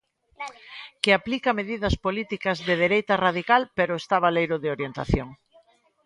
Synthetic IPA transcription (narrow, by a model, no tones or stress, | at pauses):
kɪaplikɐmeðiðɐspolit̪ikɐzðeðeɾejt̪ɐrað̞ikalpeɾʊest̪aβalejɾʊðɪoɾjent̪a̰θjoŋ